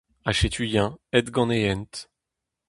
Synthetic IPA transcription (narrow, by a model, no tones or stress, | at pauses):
aʃet̪ʰyjɛ̃ɛt̪ɡɑ̃neɛnt̪